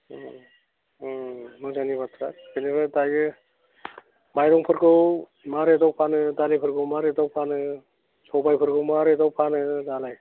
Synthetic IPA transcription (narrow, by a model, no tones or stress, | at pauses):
mɯzanibat̪ʰɾa̰kʰɯniɾɯdajɡɯ | majɾɔŋpʰɯɾɡɯw | maɾedɔwpʰanɯdalipʰɯɾɡɯwmaɾedɔwpʰanɯ | sɔbajpʰɯɾɡɯwmaɾedɔwpʰanɯdalaj